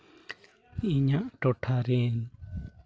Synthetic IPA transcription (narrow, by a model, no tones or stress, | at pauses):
iɲaʔʈɔʈʰaɾɛn